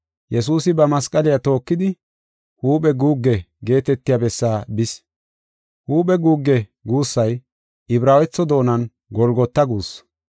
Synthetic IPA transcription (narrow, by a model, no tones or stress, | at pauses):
jɛsuːsɪbɐmɐskʼɐlɪjat̪o̞ːkːɪd̪ɪ | huːpɛɡuːɡːɛ | ɡe̞ːt̪ɛt̪ːɪjabɛsːaːbɪs | huːpɛɡuːɡːɛɡuːsːɐj | ʔɪbɾaːwɛt͡sːɔd̪o̞ːnɐn | ɡɔlɡɔt̪ːɐɡuːs